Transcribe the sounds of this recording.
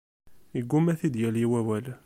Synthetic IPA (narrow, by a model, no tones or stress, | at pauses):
iɡːumæθid̪jæljiwæwæl